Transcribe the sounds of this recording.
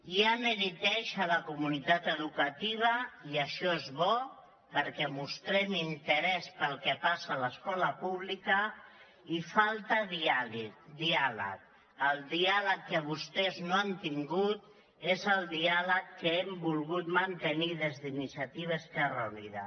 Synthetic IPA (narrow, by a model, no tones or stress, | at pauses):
jaməɾit̪ɛʃələkumunit̪at̪əðukat̪iβ̞əiəʃɔezβɔ | pəɾkɛmust̪ɾɛmint̪əɾɛspəlˠkɛpasələskɔləpuβ̞likə | ifalˠt̪əðialid̪ialə̰k | əlˠd̪ialəkːəβ̞ust̪ɛznoant̪iŋɡut̪ | ezəlˠd̪ialəkːəɛmbulˠɣut̪mənt̪əniðezðinisiat̪iβ̞əskɛrəuniða̰